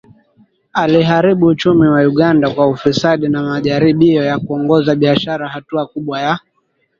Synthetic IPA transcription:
aliɦaɾiɓuːt͡ʃumiwajuɠandakwaufisaɗinamaʄaɾiɓiɔjakuɔŋɡɔzaɓiaʃaɾahatuakuɓwaja

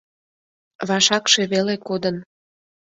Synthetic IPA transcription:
βɑʃɑkʃe̽βelekod̪ən

